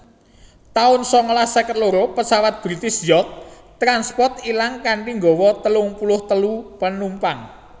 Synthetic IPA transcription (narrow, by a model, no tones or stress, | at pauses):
t̪aʊnsɔŋɔlahsəkət̪loɾopəsawat̪̚b̥ɾit̪ɪsjɔt̪̚ | t̪ɾanspɔrt̪ilaŋkaɳʈiŋɡɔ̤wɔt̪əlʊŋpulʊht̪əlupənumpaŋ